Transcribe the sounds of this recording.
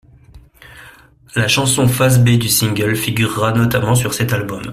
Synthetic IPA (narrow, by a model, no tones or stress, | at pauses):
laʃɑ̃sɔ̃fazbed̪ysĩŋɡʲœlfiɡʲyʁːanɔt̪amɑ̃syʁsɛt̪albɔm